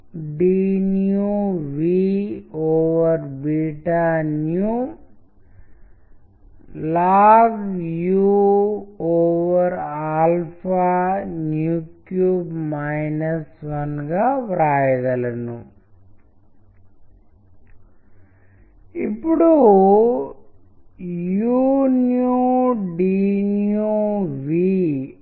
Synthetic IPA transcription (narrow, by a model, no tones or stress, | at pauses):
ɖinjuʋi | oːʋɐɾbiːʈanju | laːɡju | oːʋɐɾaːlpʰanjuːkjuːbmɐjnɐsʋɐnɡɐʋɾaːjɐðɐlenːu | ipːuɽu | junjuɖinjuʋi